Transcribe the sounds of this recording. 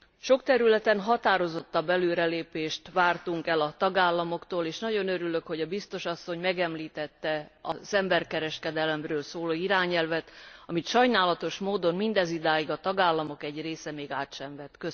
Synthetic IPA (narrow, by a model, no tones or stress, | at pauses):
ʃo̞kt̪ɛɾylɛt̪ɛnɦɒt̪aːɾo̞zot̪ːɒbːɛløːɾɛleːpeːʃt̪ʋaːrt̪uŋkɛlɒt̪ɒɡaːlːɒmo̞kt̪oːleːʃnɒɟo̞nøɾylø̞kho̞ɟɒbist̪o̞ʃɒsːo̞ɲmɛɡɛmliːt̪ɛt̪ːɛɒzɛmbɛrkɛɾɛʃkɛd̪ɛlɛmrøːlsoːloːiɾaːɲɛlvɛt̪ɒmit̪ʃɒjnaːlɒt̪o̞ʃmoːd̪o̞nmind̪ɛzid̪aːjiɡɒt̪ɒɡaːlːɒmo̞kɛɟreːsɛmeːɡaːt̪ʃɛɱvɛt̪kø